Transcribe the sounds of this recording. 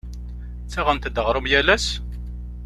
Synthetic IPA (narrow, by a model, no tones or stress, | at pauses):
t͡sːæʁænt̪d̪əʁɾˤəmjælæs